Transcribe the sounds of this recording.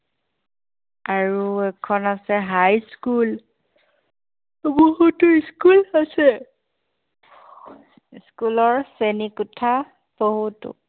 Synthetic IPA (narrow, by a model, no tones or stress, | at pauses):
aɹuɛkʰɔnasɛɦajskul | boɦutʊiskulasɛ | skulɔɹsenikutʰa | b̥oɦutʊ̰